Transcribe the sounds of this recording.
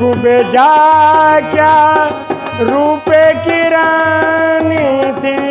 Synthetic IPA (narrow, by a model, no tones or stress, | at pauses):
ʊbed͡ʒaː | kjaː | ɾuːpekɪɾanit̪ʰi